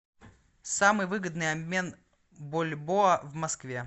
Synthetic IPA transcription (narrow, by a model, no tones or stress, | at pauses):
samɨjvɨɡəd̪nɨjɐbʲmʲe̞n | bolʲboəvmɐskvʲe̞